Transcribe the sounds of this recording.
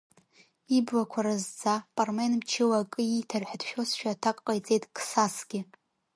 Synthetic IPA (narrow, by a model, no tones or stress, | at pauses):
ibwakʷʰaɾazd͡zapʼarmenmt͡ʃʰɪwakʼɨitʰarħʷᶣadʰʃᶣo̞sʃᶣatʰakʼqʼajt͡sʼejtʼkʰʼsasɡʲɪ